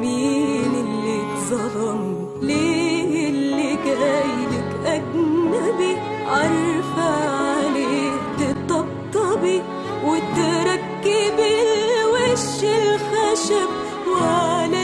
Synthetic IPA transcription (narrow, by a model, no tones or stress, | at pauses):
miːnɪlːit̪zˤɑlɑm | leːlːiɡajlɪkʔaɡnnabi | ʕɑɾˤfaʕalit̪ɪt̪ˤɑb̚t̪ˤːɑbi | wɪt̪ɾˤɑkːibɪwɪʃɪlxaʃab | wal